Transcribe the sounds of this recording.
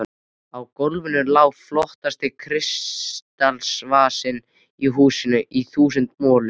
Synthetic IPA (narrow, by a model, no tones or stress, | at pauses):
awkolvɪnʏlaːwflɔht̪ast̪ɪkʰɾɪst̪alsvaːsɪn | iɦuːsɪnʏʔiθuːs̬ʏnt̪mɔːlʏ